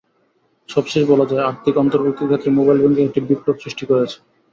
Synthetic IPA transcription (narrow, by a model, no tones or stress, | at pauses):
ʃɔbʃeʃbɔlad͡ʑaeaɾt̪ʰikɔnt̪oɾbok̚t̪ʰːikʰet̪ːɾemobajlbɛŋɡeek̚ʈibiplobsɾiʃʈikoɾet͡ɕʰe̥